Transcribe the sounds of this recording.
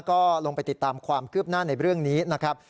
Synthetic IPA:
kɔː˥˩lo˧ŋpa˧jt̪i˨˩t̪ːaː˧mkʰwaː˧mkʰɯ˥˩p̚naː˥˩na˧jɾɯ˥˩əŋniː˦˥na˦˥kʰɾa˦˥p̚

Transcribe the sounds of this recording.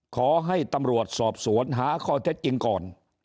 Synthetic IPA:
kʰɔː˩˦ɦa˥˩jt̪a˧mɾu˨˩ət̪̚sɔː˨˩p̚su˩˦ənɦaː˩˦kʰɔː˧t̪ʰe˦˥t̪̚t͡ɕi˧ŋkɔː˨˩n

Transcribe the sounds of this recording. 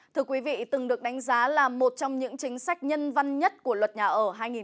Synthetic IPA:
t̪ʰɨ˧əkwi˨˦vḭ˧˨t̪ɨ˨˩ŋɗɨ˨˩ək̚ɗa˨˦ŋ̟zaː˨˦laː˨˩mo˨˩t̚t͡ɕɔ˧wŋ͡mɲɨ̰˧˥ŋt͡ɕï˨˦ŋ̟sa˦˥k̟̚ɲə˧nva˧nɲə˦˥t̚ku˧˩əlwə˨˩t̚ɲaː˨˩ʔəː˧˩ɦaː˧jŋi˨˩

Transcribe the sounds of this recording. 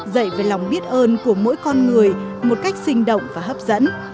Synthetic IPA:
zə̰˧˨jve˨˩la˨˩wŋ͡mɓi˦˥ət̚ʔəː˧nku˧˩əmo̰˧˥jkɔ˧nŋɨ˨˩əjmo˨˩t̚ka˦˥jk̟̚sï˧ŋ̟ɗə̰˧˨wŋ͡mvaː˨˩ɦəː˦˥p̚zə̰˧˥n

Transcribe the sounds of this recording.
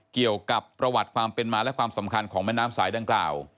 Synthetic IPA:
ki˨˩əwka˨˩pːɾa˧wa˨˩t̪̚kʰwaː˧mpe˧nmaː˧lɛ˦˥ʔkʰwaː˧msa˩˦mkʰa˧nkʰɔː˩˦ŋmɛ˦˥˨naː˦˥msaː˩˦jda˧ŋkla̰ː˨˩w

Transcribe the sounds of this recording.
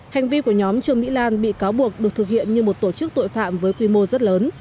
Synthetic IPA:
ha˨˩jŋ̟vi˧ku˧˩əɲɔ˨˦mt͡ɕɨ˨˩əŋmḭ˧˥laː˧nɓḭ˧˨kaː˨˦wɓu˨˩ək̚ɗɨ˨˩ək̚t̪ʰɨ˨˩k̚hḭ˧˨ənɲɨ˧mo˨˩t̚t̪o˧˩t͡ɕɨ˦˥k̚t̪o̰˧˨jfa̰ː˧˨mvəː˨˦jkwi˧mo˧zə˦˥t̚ləː˨˦n

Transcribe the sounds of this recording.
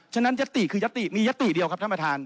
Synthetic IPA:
t͡ɕʰa˧na˦˥nja˦˥t̪ːi˨˩kʰɯː˧ja˦˥t̪ːi˨˩miː˧ja˦˥t̪ːi˨˩di˧əwkʰa˦˥t̪ʰa˥˩mpa˧t̪ʰaː˧n

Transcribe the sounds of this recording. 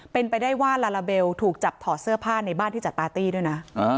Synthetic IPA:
pe˧npa˧jdaː˥˩jwaː˥˩laː˧laː˧be˧wt̪ʰuː˨˩k̚t͡ɕa˨˩p̚t̪ʰɔː˨˩sɯ˥˩ɐpʰaː˥˩na˧jbaː˥˩nt̪ʰiː˥˩t͡ɕa˨˩t̪̚paː˧t̪iː˥˩du˥˩jna˦˥a˧

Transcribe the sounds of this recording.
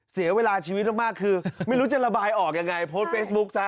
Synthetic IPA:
si˨˩˦ɐweː˧laː˧t͡ɕʰiː˧w̪̚maː˥˩maː˥˩kʰːɯː˧ma˥˩jɾuː˦˥t͡ɕa˨˩la˧baː˧jʔɔː˨˩k̚ja˧ŋːa˧jpʰoː˦˥t̪̚feː˦˥sbu˦˥k̚sa˦˥

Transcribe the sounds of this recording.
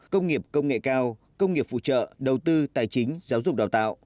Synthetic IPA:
kə˧wŋ͡mŋi˨˩əp̚kə˧wŋ͡mŋḛ˧˨kaː˧w | kə˧wŋ͡mŋi˨˩əpfṵ˧˨t͡ɕə̰ː˧˨ɗə˨˩wt̪ɨ˧t̪aː˨˩jt͡ɕï˨˦ŋ̟zaː˨˦wzʊ˨˩k͡p̚ɗaː˨˩wt̪a̰ː˧˨wʔ

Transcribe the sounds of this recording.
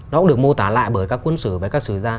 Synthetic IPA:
nɔ˨˦ʊ̰˧˥ɗɨ˨˩ək̚mo˧t̪aː˨˩la̰ː˧˨jɓəː˧˩jkaː˦˥kːwə˧nsɨ̰˧˨vəː˨˩jkaː˦˥k̚sɨ˧˩zaː˧

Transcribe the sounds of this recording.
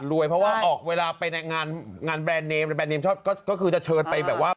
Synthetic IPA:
ɾu˧˩əjpʰɾɔ˦˥waː˥˩ʔɔː˨˩k̚weː˧laː˧pa˧jna˧jŋaː˧nŋaː˧nbɛː˧nːeː˧mɾa˨˩bɛː˧nːeː˧mt͡ɕʰɔː˥˩p̚kɔː˥˩kɔː˥˩kʰɯː˧t͡ɕa˨˩t͡ɕʰɤː˧npa˧jbɛː˨˩p̚waː˥˩

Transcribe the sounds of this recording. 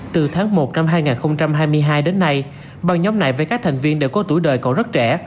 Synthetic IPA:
t̪ɨ˨˩t̪ʰaː˨˦ŋmo˨˩t̚na˧mɦaː˧jŋaː˨˩nxə˧wŋ͡mt͡ɕa˧mɦaː˧jmɨ˧əjɦaː˧jɗe˨˦nːa˧j | ɓa˨˩ŋɲɔ˨˦wŋ͡mna̰˧˨jve˨˩kaː˦˥k̚t̪ʰa˨˩ŋ̟vi˧ənɗe˧˩wkɔ˨˦t̪u˧˩jɗəː˨˩jkɔ˧˦zə˦˥t̚t͡ɕɛ˧˩

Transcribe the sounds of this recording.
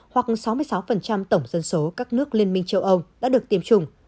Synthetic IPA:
hwa˨˩k̚sa˨˦wmɨ˧jsa˨˦wfə˨˩nt͡ɕa˧mt̪ə˧˩wŋ͡mzə˧nso˨˦kaː˦˥k̚nɨ˦˥ək̚li˧ənmï˧ŋ̟t͡ɕə˧wʔə˧wɗa̰ː˧˥ɗɨ˨˩ək̚t̪i˨˦mt͡ɕʊ˧ŋ͡m

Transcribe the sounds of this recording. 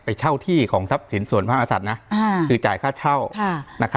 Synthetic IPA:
pa˧jt͡ɕʰa˥˩wt̪ʰiː˥˩kʰɔː˩˦ŋsa˦˥p̚si˩˦nsu˨˩ənpʰaː˥˩ʔaː˧sa˨˩t̪̚na˦˥˧kʰɯː˧t͡ɕa̰ː˨˩jkʰaː˥˩t͡ɕʰa˥˩wʰna˦˥kʰ

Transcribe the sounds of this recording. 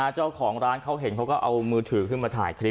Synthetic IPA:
aː˧t͡ɕaː˥˩wkʰɔː˩˦ŋɾaː˦˥nkʰa˦˥wɦe˨˩˦nkʰa˦˥wkɔː˥˩ʔa˧wmɯː˧t̪ʰɯː˩˦kʰɯː˥˩maː˧t̪ʰa̰ː˩˦jkʰɾi˦˥

